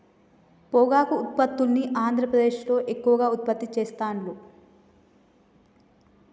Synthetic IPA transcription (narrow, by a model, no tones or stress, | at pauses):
pɔːɡaːkuːt̪̚pɐt̪ːulniʔaːnd̪ʱɾɐpɾɐd̪eːʃlo̞ːʔe̞kːuʋɐɡaːut̪̚pɐt̪ːit͡ʃeːst̪aːɳlu